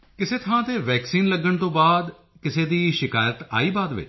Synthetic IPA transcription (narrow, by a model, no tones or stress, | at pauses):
kɪseːt̪ʰãːt̪eːʋɛːksiːnləɡəɳt̪õːbaːd̪ | kɪseːd̪iːʃɪkaːjət̪a̰ːiːbaːd̪ʋɪ̰t͡ʃ